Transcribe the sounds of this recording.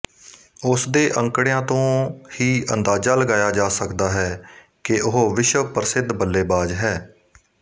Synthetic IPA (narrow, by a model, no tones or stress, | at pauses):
ʊsd̪eːʔə̃ŋkɽejãːt̪õːhiːʔə̰nd̪aːzaːləɡaːjaːd͡ʒaːsəkd̪aːɦɛː | kɪʔʊɦoʋɪʃwəpɾəsɪd̪bəlːeːbaːd͡ʒɦɛː